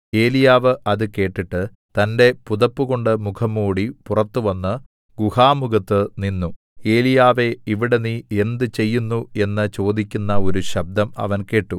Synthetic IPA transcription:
e̞ːlijaːʋɨʔɐðɨke̞ːʈːiʈːɨ | t̪ɐnde̞puðɐpːuɣo̞ɳɖɨmukʰɐmːuːɽipurɐt̪ːuʋɐnːɨ | ɡuhaːmuɡɐt̪ːɨninːu | e̞ːlijaːʋe̞iʋiɽeniːe̞nd̪ɨt͡ɕe̞jːunːue̞nːɨt͡ɕo̞ːd̪ikʲːunːɐo̞ɾuɕɐb̚d̪ɐmɐ̰ʋɐnke̞ːʈːu

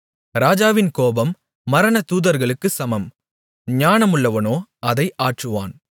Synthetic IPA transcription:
ɾaːd͡ʒaːʋɪnkoːbɐmː | ɐɾɐnɐt̪uːðɐɾɣɐɭɯkːɯsɐmɐm | ɲaːnɐmɯɭːɐʋɐnoːʔɐðɐɪʔaːʈrɯʋa̰ːn

